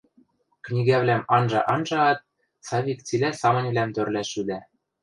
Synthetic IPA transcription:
knʲiɣæβlʲæmɑnʒɤ̰̆ʔɑnʒɤɑt̪̚ | sɑβʲikt͡silʲæsɑmɤ̆nʲβlæmt̪ørlæʃyd̪æ

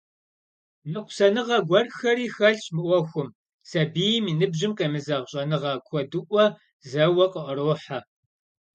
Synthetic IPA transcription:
mɨqʷʊ̥sɐnɨʁɐɡʷɐrxɐriːxɐɬɕmɨʔʷɔxʷʊm | sɐbiːjmiːnɨbʑɪmqɐmɨzɐʁɕʼɐnɨʁɐkʷʰɔdɨʔʷɔ | zɐwɐqəʔəɾoːħa

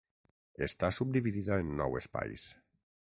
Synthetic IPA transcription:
est̪asub̚d̪iβiðiðaenːɔ̰wespa̰js

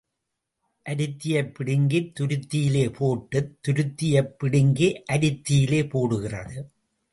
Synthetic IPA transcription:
ʔɐɾɪt̪ːɪjɐpːɪɽɪŋɡɪt̪ːʊɾɯt̪ːɪjɪleːpʰoːʈːɯt̪ːʊɾɯt̪ːɪjɐpːɪɽɪŋɡiʔɐɾɪt̪ːɪjɪleːpoːɽɯɣɪrɐ̰ðɯ

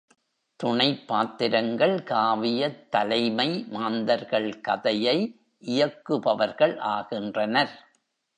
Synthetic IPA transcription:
t̪ʊɳɐɪpːaːt̪ːɪɾɐŋɡɐɭkaːʋɪjɐt̪ːɐlɐɪmɐɪmaːnd̪ɐɾɣɐɭkɐ̰ðɐjɐɪ | ʔɪjɐkːɯpɐʋɐɾɣɐɭʔaːɣɪndrɐnɐɾ

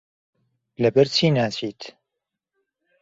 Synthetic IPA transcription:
lɐbɛɾt͡ʃʰiːnaːt͡ʃʰiːt̪ʰ

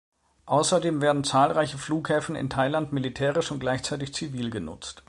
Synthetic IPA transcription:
ʔaʊsɐdeːmveːɐdn̩t͡saːlʁaɪçəfluːkhɛːfn̩ɪ̰ntʰaɪlantmilitʰɛːʁɪʃʊntɡ̥laɪçt͡saɪtɪçt͡siviːlɡənʊ̰t͡st

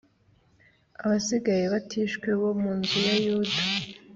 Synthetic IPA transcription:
aβasiɡajeβatʰiʃkweβo̞muːnzujajudḁ

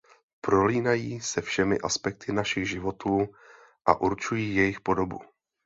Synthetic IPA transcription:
pɾo̞liːnajiːsɛfʃɛmɪ̰ʔaspɛk̚t̪ɪnaʃɪɣʒɪvo̞t̪uː | ʔa̰ʔuɾt͡ʃujiːjɛjɪxpo̞do̞bṵ

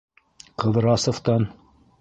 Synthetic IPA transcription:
qɤ̆ðɤ̆ɾɑsŏft̪ɑn

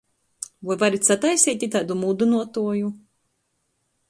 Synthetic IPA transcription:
vujvaɾit̪ʲsat̪ajsiːt̪ʲit̪aːd̪umud̪unuɔt̪uɔju

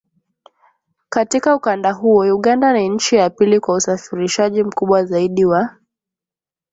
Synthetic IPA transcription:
katikaukandaɦuɔjuɠandaniɲ̩t͡ʃijapilikwausafiɾiʃaʄim̩kuɓwazaiɗiwa

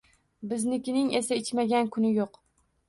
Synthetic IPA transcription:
bɪznɪkʲɪnɪŋesaɪt͡ʃmaɡʲankʰʊnɪjoq

